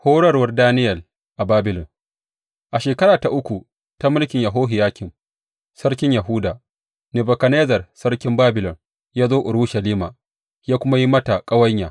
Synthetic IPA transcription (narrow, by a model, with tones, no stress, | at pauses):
hoː˦ɽɐ˦rwɐ˦rdaː˦nɪ˦jɐ˨l | ʔa˨baː˦bɪ˨lɔ˨ŋ | ʔa˨ʃeː˨kɐ˦ɾaː˨ta˨ʔʊ˦kʷu˨ | ta˦mɪ˦lkʲɪ˨ɲjɐ˨ɦoː˦ɦɪ˨jaː˦kʲɪ˨m | sɐ˦rkʲɪ˦ɲjɐ˨ɦʊ˦daː˨ | nɪ˨bɐ˨kɐ˨neː˦zɐ˨rsɐ˦rkʲɪ˦mbaː˦bɪ˨lɔ˨ŋ | jaː˦zoː˦ʔʊ˨ɽu˦ʃɐ˨liː˦maː˨ | jaː˦kʷʊ˦ma˦ji˦mɐ˦ta˨kʼɐ˦wɐ˦ɲjaː˨